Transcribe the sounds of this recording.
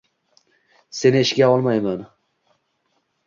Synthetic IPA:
se̞nɪɪʃkʲaɒlˠmɑjmɑn

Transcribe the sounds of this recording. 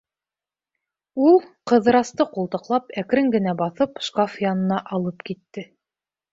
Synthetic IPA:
ulˠqɤ̆ðɤ̆ɾɑst̪ɤqulˠt̪ɤ̆qlˠɑpækɾɘŋɡɘ̆næbɑθɤpʃkafjɑnɤ̆nɑʔɑlˠɤpkit̪ːɘ

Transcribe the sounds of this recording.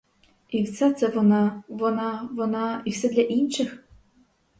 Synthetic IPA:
iwt̪sʲat̪sɛʋɔnɑʋɔnɑʋɔnɑiwsɛd̪lʲɐʔinʃɪx

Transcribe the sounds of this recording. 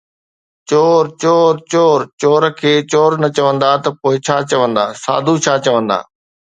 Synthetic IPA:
t͡ɕoːɾt͡ɕoːɾt͡ɕoːɾt͡ɕoːɾkʰeːt͡ɕoːɾnɐt͡ɕɐʋə̃nd̪at̪ɐpoːɪt͡ɕʰaːt͡ɕɐʋə̃nd̪a̰ːsa̰ːd̪ʱut͡ɕʰaːt͡ɕɐʋə̃nd̪a̰ː

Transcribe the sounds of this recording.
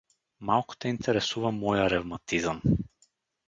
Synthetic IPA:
malˠku̥t̪ɛint̪ʰɛɾɛsuvamɔjaɾɛvmat̪izam

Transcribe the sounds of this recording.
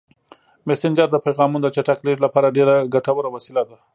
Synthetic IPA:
mesɪnd͡ʒəɾd̪əpejɣɑmund̪ət͡ʃaʈakleʈlapɑɾaɖeɾaɡaʈawəɾawasilad̪a

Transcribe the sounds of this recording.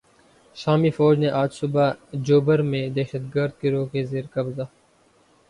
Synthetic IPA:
ʃaːmiːfɔːd͡ʒneʔaːd͡ʒsʊbaːd͡ʒoːbəɾmẽd̪ɛːʃəd̪ɡəɾd̪̚keɾoːkezeːɾkəbzaː

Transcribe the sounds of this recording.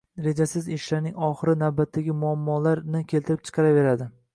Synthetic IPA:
ɾe̞d͡ʒasɪzɪʃlaɾnɪŋɒχɨɾɪnawbat̪ʰːaɡʲɪmʊamːɒlaɾnɪkʲʰe̞lt̪ʰɪɾɪp̚t͡ʃʰɨ̥qʰɑɾave̞ɾad̪ɪ

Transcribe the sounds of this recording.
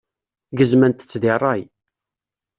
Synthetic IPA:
ɡəzmænt̪ə̥t͡sːðɪrˤːɑj

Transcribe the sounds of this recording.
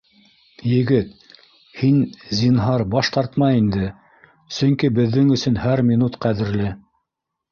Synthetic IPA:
jɘ̆ɡɘt̪ | hinzʲinɦɑɾbɑʃt̪ɑɾt̪mɑind̪ɘ | sɵ̆ŋkibɘ̆ðːɘŋɵ̆sɵnhæɾmʲinut̪qæðɘ̆ɾlɘ

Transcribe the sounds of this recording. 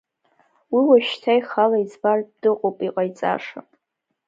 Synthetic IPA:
wiwaʃtʰajχalaizbard̥ɨqʼopʼiqʼajt͡sʼa̰ʂa

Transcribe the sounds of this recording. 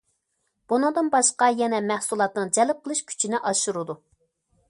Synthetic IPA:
b̥unɨŋd̪ɨnbɑʃqɑjɛnɛmæhsulˠɑt̪nɨŋd͡ʒɛlɪp̚qʰəlˠɨʃkʲʰy̥t͡ʃʰinɪʔɑʃuɾud̪u

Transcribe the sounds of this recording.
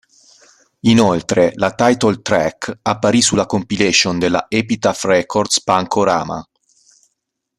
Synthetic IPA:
inolt̪ɾelat̪ajt̪olt̪ɾɛkapːaɾisulːakompilesond̪elːa̰ʔɛpit̪afrɛkord̪spaŋkʰoɾa̰ːma̰

